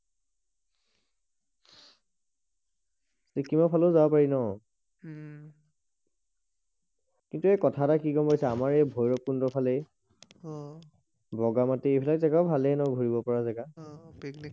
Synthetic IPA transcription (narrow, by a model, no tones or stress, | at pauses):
sekimapʰalozabapaɹinɔ | kintuɛekɔtʰatakikɔmpajsɛamaɹɛjbʱɔjɹɔk̚ːundɔpʰalɛ | bɔɡamatiejbʱilak̚tɛkaʊbʱalɛnɔwɡʱoɹibɔpɔɹazɛɡa